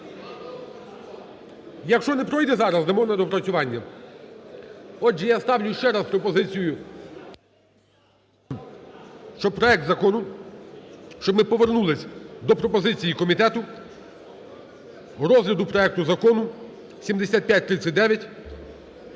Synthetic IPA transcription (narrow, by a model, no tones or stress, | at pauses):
jɐkʃt͡ʃɔnɛpɾɔjd̪ɛzɑɾɐzd̪ɐmɔnɐd̪ɔpɾɐt͡sʲʊʋɑnʲːɐ | ɔd͡ʒɛjast̪ɑwlʲʊʃt͡ʃɛɾɑspɾɔpɔzɪt͡sʲijʊ | ʃt͡ʃɔbpɾɔɛk̚t̪zɐkɔnʊ | ʃt͡ʃɔbmɪpɔʋernulˠɪsʲd̪ɔpɾɔpɔzɪt͡sʲijikɔmʲit̪ɛt̪ʊ | ɾɔzlʲɐd̪ʊpɾɔɛkt̪ʊzɐkɔnʊ | sʲimd̪esʲat̪̚ʲpʲjat̚ʲt̪ɾɪt̪sʲɐtʲd̪ɛʋʲjɐtʲ